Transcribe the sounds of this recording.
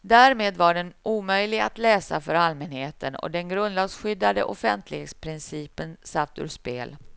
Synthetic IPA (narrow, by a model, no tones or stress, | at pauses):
d̪æːɾmeːd̪vaɖɛnuːmœjlɪɡa̰t̪lɛːsa̰fœɾalmɛnheːt̪ʰənɔ̰d̪ɛnɡɾɵnd̪lɑːɡsɧʏd̪ːad̪ə̰ʔɔfɛnt̪ʰlɪɡeːt̪spʰɾɪnsiːpənsaft̪ɵ̰ːɾʂpḛːl